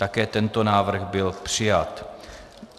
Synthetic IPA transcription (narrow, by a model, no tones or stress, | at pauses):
t̪akɛːt̪ɛnt̪onaːvr̩ɣbɪlpr̝̥ɪjat̪